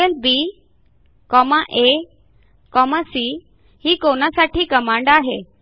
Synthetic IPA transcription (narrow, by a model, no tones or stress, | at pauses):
elbiː | kɔmaʔe | kɔmasi | hiːkonasaʈiːkəmãɳɖaɦe